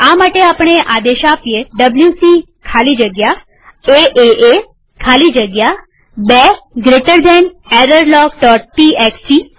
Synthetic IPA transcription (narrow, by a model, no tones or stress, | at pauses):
amaʈeapəɳeʔad̪eʃapijeɖəbljusi | kʰalid͡ʒəɡja | eʔeʔe | kʰalid͡ʒəɡja | beɡɾeʈəɾd̪eɳeɾəɾlɔkɖɔʈ̚ːiekst͡ʃi